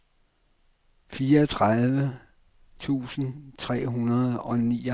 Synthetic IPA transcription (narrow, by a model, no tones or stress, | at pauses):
fiːɐːt͡sʰʁaðˠʋə | t͡sʰṵːsn̩t͡sʰʁɛ̰ːɦunɐð̞ˠɒ̽nḭː